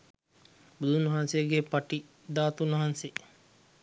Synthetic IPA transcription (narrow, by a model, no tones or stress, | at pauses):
bud̪unʋɐɦansejəɡepaʈi | d̪aːt̪unɐɦanse